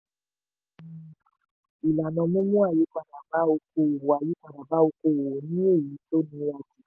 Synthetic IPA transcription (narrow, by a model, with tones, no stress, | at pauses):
i˨la˨nɔ̃˧mũ˦mũ˦a˦˨ji˨˦kʷa˨da˨ba˨˦o˧k̚o˧˨a˨ji˨˦kʷa˦˨da˨ba˨˦o˧ko˧˨o˨o˨nĩ˦e˦˨ji˨˦to˦nĩ˧wa˧d͡ʒi˨˦